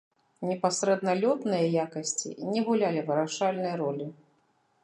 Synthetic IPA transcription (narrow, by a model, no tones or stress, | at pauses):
nʲɛpasɾɛd̪nɐlʲɔt̪nɨjɐjakɐsʲt͡sʲḭnʲɛɣulʲalʲivɨɾaʂalʲnɨjɐɾɔlʲi